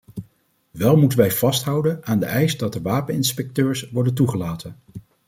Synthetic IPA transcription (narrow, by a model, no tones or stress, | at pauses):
ʋɛlˠmutənʋɛjv̥ɑstɦʌwdənaːndəʔɛjsdɑt̚dəʋaːpənɪnspɛk̚tøːɹsʋɔɹdənt̬uχəlaːtən